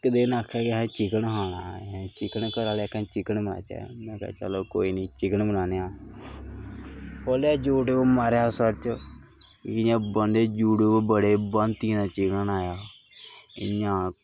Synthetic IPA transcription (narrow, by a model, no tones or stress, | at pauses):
kəd̪eːnaːkʰɛːkɪɦɛ̃ːt͡ʃɪkəɳɦaːñãːt͡ʃɪkənkəɾaːlekʰɛ̃ːt͡ʃɪkənbəna̰ːt͡ʃɛ̰ːmɛ̃ːka̰ːt͡ʃa̰loːkoːiːniːt͡ʃɪkənbənaːnejaː | poːlaːd͡ʒuːɖmaːɾjaːsəɽt͡ʃə | kɪjãːbənd̪eːd͡ʒuːɖubəɽeːbənt̪ĩd̪aːt͡ʃɪkənaːjaː | ɪ̰ɲãː